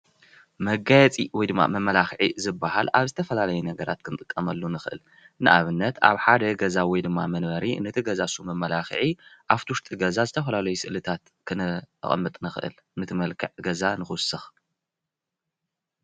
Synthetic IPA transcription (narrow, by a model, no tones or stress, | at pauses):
mɐɡajɛt͡sʼiwɔjd̪ɨmːa̰mɐmːɐlaxʕizɨbːaɦalaβzɨt̪ʰɐfɐlalɐjɛnɐɡɐɾa̰t̪̚kʰɨnɨt̪ʼɨkʼːɐmɐlːonɨxɨʔɨ̰l | nɨʔaβɨnːɐt̪a̰βħad̪ɐɡɐzawɔjd̪ɨmːa̰mɐnbɐɾinɐt̪ʰiɡɐzasumɐmːɐlaxɨ̰ʕiʔaft̪ʰiwʊʃt̪ʼiɡɐzazɨt̪ʰɐfɐlalɐjusɨʔlɨt̪ʰat̪ | kʰɨnɨ̰χʼmːɨt̪ʼnɨxɨʔɨ̰l | nɨt̪ʰɨmɐlkʰɨ̰ʕɡɐzanɨxɨsɨx